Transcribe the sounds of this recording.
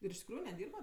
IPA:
ɪr ɪʃ tʲɪkˈruːjʊ nʲɛˈdʲiːrbɐ

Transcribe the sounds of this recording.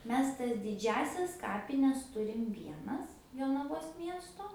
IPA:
ˈmʲɛs tɐs dʲɪˈd͡ʒʲæːsʲɛs ˈkɑːpʲɪnʲɛs ˈtʊrʲɪm ˈʋʲiɛnɐs joːnɐˈʋoːs ˈmʲiɛstoː

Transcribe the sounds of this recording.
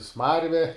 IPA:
ˈsmɐrʲʋʲɛ

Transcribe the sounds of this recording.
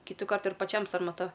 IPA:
ˈkʲiːtʊkɐrt ɪr pɐˈt͡ʃʲɛm sɐrmɐˈtɐ

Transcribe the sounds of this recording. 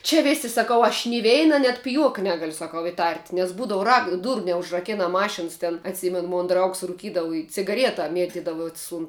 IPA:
t͡ʃʲɛ ˈʋʲeːsʲɪ sɐˈkɐʊ ɐʃ nʲɪ ˈʋʲɛɪnɐ nʲɛt pʲɪˈjuɔkɐ ˈnʲæːɡɐlʲʊ sɐˈkɐʊ ɪˈtɐrʲtʲ nʲɛs ˈbuːdɐw rɐk ˈduːrʊ nʲɛʊʒrɐˈkʲæːnɐ ˈmɑːʃʲɪns tʲɛn ɐtʲˈsʲɪmʲɛn ˈmoːn ˈdrɐʊks rʊˈkʲiːdɐʋʊ ɪ t͡sʲɪɡɐˈrʲiɛtɐ ˈmʲiɛtʲɪdɐʋʊs ʊn

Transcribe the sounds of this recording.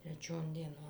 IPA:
tʲrʲɛˈt͡ʃʲoːn dʲiɛˈnoːn

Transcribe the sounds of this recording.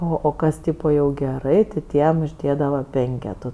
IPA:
ˈoː oː ˈkɐs ˈtʲiːpoː jɛʊ ɡʲɛˈrɐɪ tʲɪ ˈtʲiɛm ʊʒʲˈdʲeːdɐʋɐ ˈpʲɛŋʲkʲɛtuː

